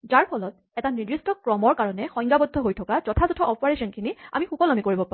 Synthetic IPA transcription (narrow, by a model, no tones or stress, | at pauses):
zaɹpʰɔlɔt̚ | ɛtanidɹistɔkɹɔmɔɹkaɹɔnɛxɔjŋɡabɔdʱːɔɦojtʰɔkaz̥ɔtʰazɔtʰɔʔɔpaɹesɔnkʰinia̰mixukɔlamikoɹibɔpa